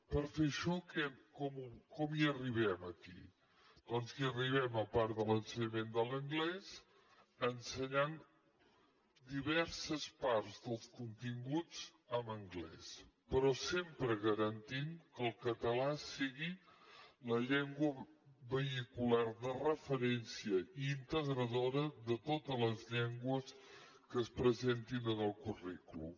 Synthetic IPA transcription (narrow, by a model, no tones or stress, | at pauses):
pəɾfeʃɔkɛkɔmukɔmiəriβɛməkḭ | d̪̥ɔnziəriβ̞ɛməpaɾðələnsəɲəmend̪ələŋɡlɛz | ənsəɲan | d̪iβ̞ɛɾsəspaɾzðəlˠskunt̪iŋɡut͡s | əməŋɡlɛ̰spəɾɔsempɾəɣəɾənt̪imkəlˠkət̪əlasiɣi | ləʎɛŋɡwəβəikulaɾðərəfəɾɛnsiəint̪əɣɾəðoɾəðət̪ot̪ələzʎɛŋɡwəs | kəːspɾəzent̪inənəlˠkuriklṵ